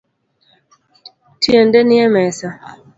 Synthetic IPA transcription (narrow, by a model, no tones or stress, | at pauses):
tʰiəndɛniɛmɛsa